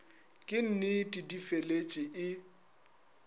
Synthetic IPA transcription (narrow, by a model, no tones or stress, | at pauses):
kʼɪn̩nɪtʼɪdifelet͡ʃʼɪʔɪ